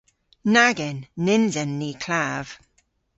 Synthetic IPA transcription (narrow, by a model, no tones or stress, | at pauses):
naɡɪnːɪnzənːiːkʰl̥av̥